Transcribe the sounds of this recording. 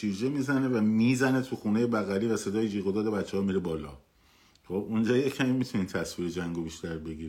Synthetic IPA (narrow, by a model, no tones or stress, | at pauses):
ʃiɾd͡ʒemizæne̞væmizæne̞t̪ʰuxuneje̞bæɣæliːvæse̞d̪ɒːjejiɣod̪ɒːd̪e̞bæt̪t͡ʃːehɒːmiːɾebɒːlɒ̰ː | χobund͡ʒɒːjecʲʰæmimit̪ʰunint̪ʰæsviːɾed͡ʒæŋɡobiʃt̪æɾbe̞ɡiːɾi